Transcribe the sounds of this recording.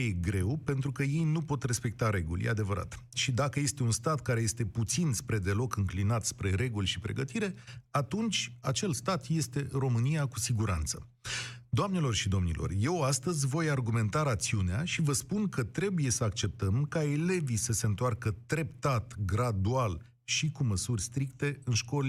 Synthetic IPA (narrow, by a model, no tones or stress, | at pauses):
eɡɾe̞wpe̞nt̪ɾukəje̞jnupo̞t̪re̞spe̞k̚t̪aɾe̞ɡulʲjḛad̪e̞vəɾa̰t̪ʃid̪akəje̞st̪e̞unst̪at̪kaɾe̞je̞st̪e̞put̪sinspɾe̞d̪e̞lo̞kɨŋklinat̪spɾe̞ɾe̞ɡulʲʃipɾe̞̰ɡət̪iɾe̞at̪unt͡ʃʲat͡ʃe̞lst̪at̪je̞st̪e̞ɾo̞mɨnijakusiɡuɾa̰nt̪sə | d̪oamne̞lo̞rʃid̪o̞mnḭlʔo̰rje̞wast̪əzʲvo̞jarɡume̞nt̪aɾat̪siuneaʃivəspunkət̪ɾe̞buje̞səakt͡ʃe̞p̚t̪əmkae̞le̞visəse̞ɨnt̪oarkət̪ɾe̞pt̪at̪ɡɾad̪ual | ʃikuməsurʲst̪ɾik̚t̪e̞ɨnʃko̞l